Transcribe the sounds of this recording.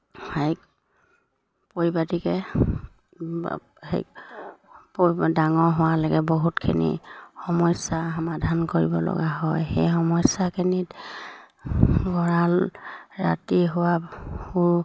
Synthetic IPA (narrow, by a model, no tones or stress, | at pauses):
hajk̚ | poɹibatikɛ | hḛk | poidaŋɔɹɦʊwalɔɡɛboɦutkʰinḭxɔmɔjsaɦɔmadʱankoɹḭbɔ̰lɔ̰ɡaɦɔjxḛjxɔmɔjsakʰinit | ɡɔɹalɹa̰tiɦʊwahu